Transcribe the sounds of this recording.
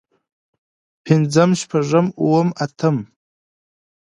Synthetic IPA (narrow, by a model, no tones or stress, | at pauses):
pʰind͡zɨmʃpʰaʐʷɨmuwʊmatʰɨm